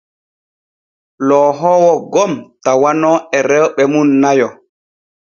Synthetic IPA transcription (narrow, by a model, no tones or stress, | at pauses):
lɔɦɔːwɔɡɔmtawanɔɛɾɛwɓɛmunːajɔ